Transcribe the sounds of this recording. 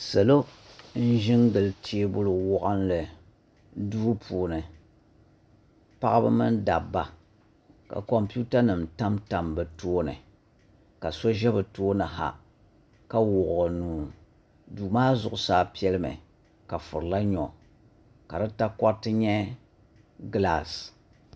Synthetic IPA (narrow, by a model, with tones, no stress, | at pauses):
sɨ˨lo˦n̩˦ʒɪ˦ŋɡɨ˨ltʰi˦e˦bʊ˦lɨ˨wɔ˦ʔa˦nlɨ˨ | duː˦pʰuː˨nɨ˨ | pa˦ʔa˦bɨ̰˦mɨ˦nda˨bːa˨ | ka̰˨ko˨mpi˦u˦ta˦nɨ˨mta˦mta˨mbɨ˨toː˦nɨ̰˨ | ka˨so˦ʒɛ˦bɨ˨toː˦nɨ˨ɦa̰˨ | ka˦wʊ˨ʔnuː˨ | duː˨maː˦zʊ˨ʔʊ˨saː˦pi˦ɛ˦lɨ˦mɨ̰˨ | ka˨fʊ˨ɾla˦ɲɔ˨ | ka˨dɨ˦ta˦kɔ˦tɨ˦ɲɛ˦ | ɡla˨s